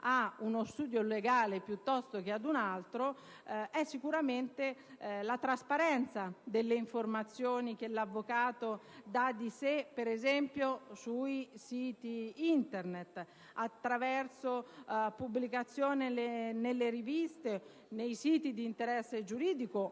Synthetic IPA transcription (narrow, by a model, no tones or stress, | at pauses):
aunost̪uːd̪joleɡaːlepjut̪ːɔst̪ok̟ead̪unalt̪ɾo | ɛsːikuɾament̪elat̪ɾaspaɾɛnt̪sad̪elːeiɱformat̪sːjoːnik̟elavːokaːt̪od̪ad̪isepːeɾezɛmpjosuisiːt̪iint̪ernet̪ | at̪ːɾavɛrsopubːlikat̪sːjoːnelenelːeɾivist̪e | nejsiːt̪id̪iːnt̪eɾɛsːed͡ʒuɾiːd̪iko